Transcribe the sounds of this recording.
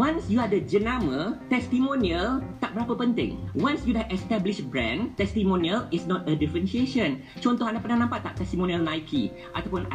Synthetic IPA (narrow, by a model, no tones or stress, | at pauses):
wãnsjuadəd͡ʒənãmət̪ɛst̪imõniəlt̪aʔbəɾapəpənt̪ɪ̰̃ŋwãnsjudɛɛst̪ɛbliʃbɹɛ̰̃nt̪ɛst̪imõniəlisnɔt̪ədifɾənʃieʃə̃n | t͡ʃɔnt̪ɔhɦãndaʔpənãhnãmpat̪ːaʔ̚t̪ɛst̪imõniəlnaikʰḭ | ʔat̪awpʊna